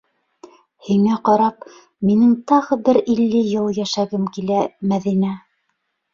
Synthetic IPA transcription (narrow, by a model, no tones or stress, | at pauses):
hiŋæqɑɾɑp | minɘŋt̪ɑʁɤbɘɾilːɘjɤlˠjæʃæɡɘmkilæmæðinæ